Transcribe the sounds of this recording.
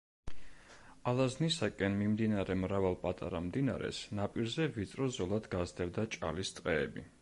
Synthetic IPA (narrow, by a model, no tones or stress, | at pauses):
alˠaznisakʼɛnmimd̪inaɾɛmɾavalˠpʼat̪ʼa̰ɾamd̪ina̰ɾɛ̰snapʼiɾzɛvit̪sʼɾɔzɔlˠad̪ɡazd̪ɛvd̪at͡ʃʼa̰list̪sʼqʼɛːbi